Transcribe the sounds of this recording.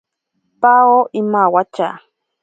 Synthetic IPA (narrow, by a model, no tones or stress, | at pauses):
paoʔimawat͡ʃa̰